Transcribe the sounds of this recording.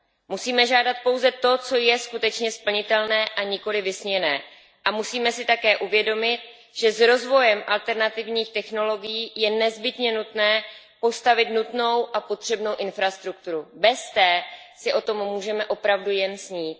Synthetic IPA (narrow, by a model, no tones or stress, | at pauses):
musiːmɛʒaːdat̪̚po̞wzɛt̪o̞t͡so̞jɛskut̪ɛt͡ʃɲɛspl̩ɲɪt̪ɛlnɛːʔaɲɪko̞lɪvɪsɲɛnɛː | ʔamusiːmɛsɪt̪akɛːʔuvjɛdo̞mɪt̪̚ | ʒ̥ɛzɾo̞zvo̞jɛmʔalt̪ɛɾnat̪ɪvɲiːxt̪ɛxno̞lo̞ɡɪjiːjɛnɛzbɪt̪ɲɛnut̪nɛː | po̞st̪avɪt̪nut̪no̞wʔapo̞t̪r̝̥ɛbnowʔɪnfɾast̪ɾukt̪uɾubɛst̪ɛːsɪʔo̞t̪o̞mːuːʒɛmɛʔo̞pɾavdujɛnsɲiːt̪̚